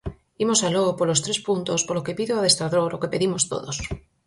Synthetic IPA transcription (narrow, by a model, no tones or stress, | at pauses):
imosaloɣpolost̪ɾespunt̪ospolokepiðoaðest̪ɾaðoɾokepeðimost̪o̰ðos